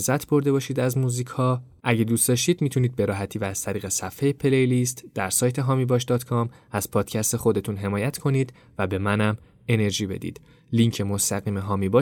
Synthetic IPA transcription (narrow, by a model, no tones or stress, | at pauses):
zæt̪ʰbo̞ɾd̪e̞bɒːʃiːd̪æzmuːziːcʰhɒː | ʔæɟe̞d̪uːstd̪ɒʃtiːd̪miːt̪ʰuniːd̪̚be̞ɾɒːɦæt̪ʰiːvæːz̥t̪ʰæɾiːɣe̞sæfhejepʰelejlist̪d̪̥æɾsɒːjt̪ʰe̞ɦɒːmiːbɒːʃd̪ɒːt̪kʰɒmæz̥pʰɒːd̪̥cʰæst̪e̞xo̞d̪e̞t̪ʰunɦe̞mɒːjæt̪ʰkʰo̞niːd̪ | væbe̞mænæm | e̞ne̞ɾʒiːbe̞̰d̪ḭːd̪̥ | liŋcʰe̞most̪æɣiːmeɦɒːmibɒ